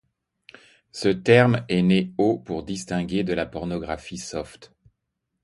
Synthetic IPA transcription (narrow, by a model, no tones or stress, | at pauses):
sət̪ɛʁmɛneopuʁd̪ist̪ɛ̃ɡʲed̪əlapɔʁnɔɡʁafisɔft̪